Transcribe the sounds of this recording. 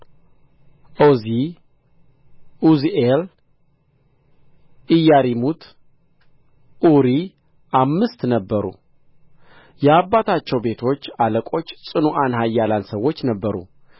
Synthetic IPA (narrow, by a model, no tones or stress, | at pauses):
ʔozi | uziʔel | ʔɨjaɾimut̪ʰ | ʔuɾi | ʔamːɨst̪nəbːəɾṵ | jɛabːat̪ʰat͡ʃːɛwbe̞t̪ʰo̞t͡ʃːaləkʼo̞t͡ʃːsʼɨnuʔanɦajːalansəwo̞t͡ʃːnəbːəɾṵ